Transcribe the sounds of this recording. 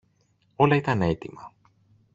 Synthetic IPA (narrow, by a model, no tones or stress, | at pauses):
o̞lɐit̪ɐne̞t̪imɐ